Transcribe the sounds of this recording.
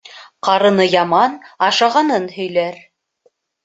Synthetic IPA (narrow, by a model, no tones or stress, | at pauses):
qɑɾɤ̆nɤjɑmɑnɑʃɑʁɑnɤnhɵ̆jlæɾ